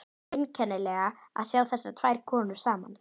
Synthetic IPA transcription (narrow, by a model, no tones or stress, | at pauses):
ɪncʰɛnːɪlɛɣaa̰ðsjaːwθɛsːat̪ʰv̥ajɾ̥kʰɔːnʏɾ̥saːma̰n